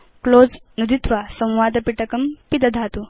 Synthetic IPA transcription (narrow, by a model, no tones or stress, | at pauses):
kloːd͡znud̪ʱit̪ʋasə̃w̃ʋaːd̪ɐpiʈɐkɐmpid̪ɐd̪ʱat̪u